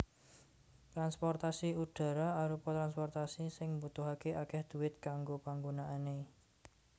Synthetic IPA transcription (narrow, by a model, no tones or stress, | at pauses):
t̪ɾanspɔrt̪asiuɖ̥ä̤ɾaaɾupɔt̪ɾanspɔrt̪asisɪŋmbut̪ʊɦakeʔakɛhd̪̥ṳwɪt̪̚kaŋɡopaŋɡonaʔane